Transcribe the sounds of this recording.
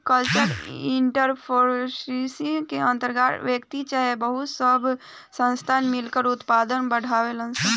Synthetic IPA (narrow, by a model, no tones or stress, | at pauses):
kəlt͡ʃəɾɪɳʈəɾpʰoɾsisikeə̃nt̪əɾɡaɾʋjəkt̪it͡ʃaɦebəɦʊt̪səbʱ | sə̃nst̪ʰaːnmɪlkəɾʊt̪paːd̪ənbəɽ̤awelə̃nsə̃